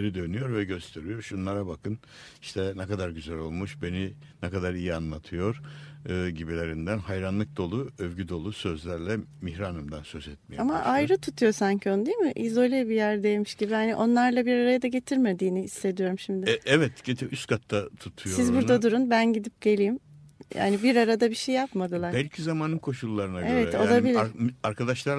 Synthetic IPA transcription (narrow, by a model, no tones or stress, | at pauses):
eɾid̪ø̞nyjo̞ɾvɛɟø̞st̪ʰe̞ɾijo̞ɾʃunlˠaɾabakʰɯn | iʃt̪ʰɛnɛkad̪aɾɟyzælʲo̞lˠmuʃbe̞ni | nɛkad̪aɾijianlˠat̪ʰɯjo̞ɾ̥ɯːɟibilʲe̞ɾind̪ænhajɾanlˠɯk̚d̪o̞lˠuøvɟyd̪o̞lˠusø̞zlʲæɾlʲɛmihɾaːnɯmd̪ansø̞zɛt̪̚mejamaʔajɾɯt̪ʰut̪ʰujo̞saɲcʰio̞nud̪ijmɪʔizo̞lʲɛbijæɾd̪ejmiʃɟibihaniʔo̞nlˠaɾlˠabiɾaɾajad̪aɟe̞t̪ʰiɾme̞d̪iːniisle̞d̪ijo̞ɾumʃimd̪ɪɛvɛt̪ɟet̪ʰiyst̪kʰat̪ʰːat̪ʰut̪ʰujosizbuɾad̪uɾunbænɟid̪ip̚ɟe̞lʲiːimja̰nibiɾaɾad̪abiʃejːapmad̪ɯlˠaɾbælʲcʰizamaːnɯnkʰo̞ʃulˠːaɾɯnaevɛt̪olˠabilʲiaɾkʰad̪aʃlˠa